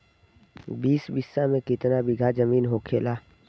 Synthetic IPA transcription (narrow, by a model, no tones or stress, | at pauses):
biːsbɪsːamẽkɪt̪nabɪɡʱad͡ʒəmiːnɦokʰeːlaː